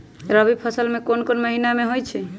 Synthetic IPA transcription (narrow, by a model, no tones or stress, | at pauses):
ɾəbipʰəsəlmekonkonməɦinameɦojt͡ʃʰɛ